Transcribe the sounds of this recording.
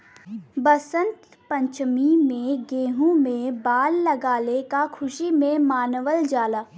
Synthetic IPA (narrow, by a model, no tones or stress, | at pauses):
bəsə̃nt̪ | pə̃ɲt͡ʃmimẽɡeːɦũmẽbaːlːɐɡaːlekakʰʊʃimẽmaːnʋəld͡ʒaːlaː